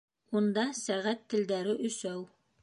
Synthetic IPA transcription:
und̪ɑsæʁæt̪ːɘ̆ld̪æɾɘʔɵ̆sæw

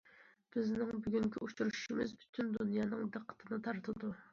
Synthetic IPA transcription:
b̥ɪznɪŋbyɡʲyŋkʲʰiut͡ʃʰuɾuʃu̥ʃimɪzbʰy̥t̪ʰynd̪unjɑːnɨŋd̪əqʰːə̥t̪ʰɨnɨt̪ʰɑɾt̪ʰɨd̪u

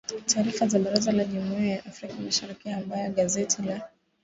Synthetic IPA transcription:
tʰaːɾifazaɓaɾazalaʄumuiajaʔafɾikamaʃaɾikiambajɔɠazɛtʰila

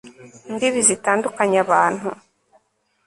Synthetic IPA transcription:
ndiβizitaːndukaɲaβaːn̥hu

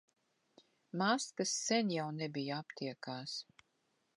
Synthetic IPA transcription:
maːskasːɛnʲjawnɛbijapt̪ʰiɛkaːs

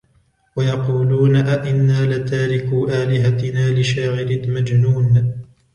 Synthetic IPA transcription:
wajɑquːluːnaʔaʔɪnːaːlɪt̪aːɾɪkuːʔaːlɪɦat̪ɪnaːlɪʃaːʕɪlɪmad͡ʒnuːn

